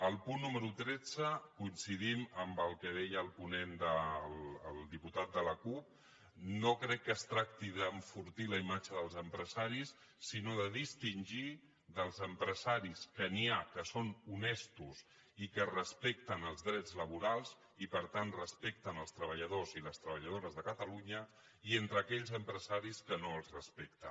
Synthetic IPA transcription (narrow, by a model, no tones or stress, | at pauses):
əlˠpunːuməɾut̪ɾɛd͡zəkuinsiðiməmbəlˠkəðɛjəːlˠpunend̪əlːlˠd̪iput̪at̪̚d̪ələkup̚ | nokɾɛkːəst̪ɾak̚t̪iðəɱfuɾt̪iləimad͡ʒəðəlˠzəmpɾəzaɾisː | inoðəðist̪inʲʒi | ðəlˠzəmpɾəzaɾiskəniakəsonunɛst̪us | ikərəspɛk̚t̪ənəlˠzðɾɛd͡zləβuɾalˠz | ipəɾt̪anrəspɛk̚t̪ənəlˠst̪ɾəβəʎəðoziləst̪ɾəβəʎəðoɾəzðəkət̪əluɲə | ient̪ɾəkɛʎzəmpɾəzaɾiskənoəlˠzrəspɛkt̪ə̰